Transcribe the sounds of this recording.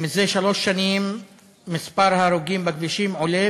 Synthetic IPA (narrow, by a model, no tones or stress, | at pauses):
mizeʃalo̞ʃːanimː | ispaɾhaːɾuɡimbakviʃimʕole